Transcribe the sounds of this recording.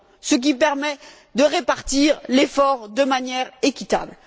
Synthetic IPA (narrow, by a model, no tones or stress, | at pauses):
sək̬ʲipɛʁmɛ | d̪əʁepaʁt̪iʁlefɔʁd̪əmanjɛʁekʲit̪a̰bl